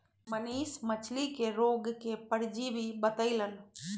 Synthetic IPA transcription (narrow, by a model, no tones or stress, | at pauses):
məniːsmət͡ʃʰlikeɾoːɡkepəɽd͡ʒibʱibət̪əɪləl